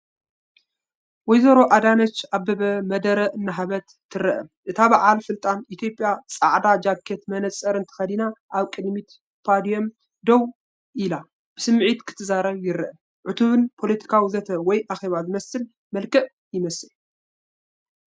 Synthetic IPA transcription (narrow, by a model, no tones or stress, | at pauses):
wɔjzɐɾo̞ʔad̪anɐt͡ʃabɐβɐmɐd̪ɐɾɐɨnːaɦaβɐt̪ʰːɨɾɐʔɐʔɨt̪ʰaβaʕalfɨlt̪ʼanʔit̪ʰjo̞pʼjat͡sʼaʕd̪ad͡ʒakʰːet̪mɐnɐsʼɐɾɨnt̪ʰɐ̥xɐd̪inaʔaβkʼɨd̪mit̪ | pʰad̪ijom | d̪ow | ʔila | b̥ɨsɨmːʕit̪kʰɨ̥t̪ʰɨzaɾɐβjɪɾɐʔɐ | ʕʊt̪ʰuβɨnpʰo̞lɐt̪ʰi̥kʰawizɐt̪ʰɐwɔjʔaxe̞βazɨmɐsɨl | mɐlkʰɐʔ | jɪmɐsɨl